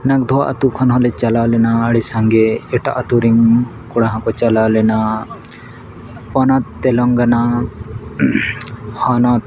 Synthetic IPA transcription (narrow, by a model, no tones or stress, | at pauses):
nak̚d̪ʱɔaʔɐ̰t̪ukʰɔnɦɔlet͡ʃalawlɛnaːɽisaŋɡeːʈa̰ʔɐt̪uɾiŋ | kuɽaɦãkɔt͡ʃalawlɛna | pɔnat̪ːɛlɔŋɡana | hɔnat̪